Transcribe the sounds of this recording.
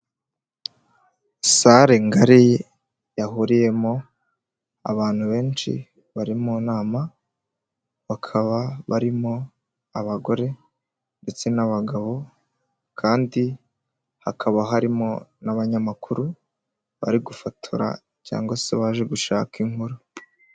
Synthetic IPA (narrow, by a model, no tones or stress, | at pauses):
saɾeŋɡaɾi | jaɦuɾije̞mo̞ | a̰βaːn̥huβe̞ːnʃḭ | βaɾimonaːma | βakʰaβaβaɾimo̞ | aβaɡo̞ɾe̞ | nde̞t͡se̞naβaɡaβo̞ | kʰaːndi | hakʰaβaɦaɾimo̞naβaɲamakʰuɾu | βa̰ɾiɡufatʰṵɾa̰ | ca̰ːŋɡo̞seβaːʒe̞ɡuʃaːkiŋhuɾu